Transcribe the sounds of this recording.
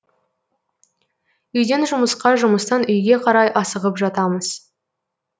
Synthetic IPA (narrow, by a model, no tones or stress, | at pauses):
ʏjd̪e̞nʒʊməsqɑʒʊməst̪ɑnʏjɡʲe̞qʰɑɾɑjʔɑsəʁəpʒɑt̪ɑməz̥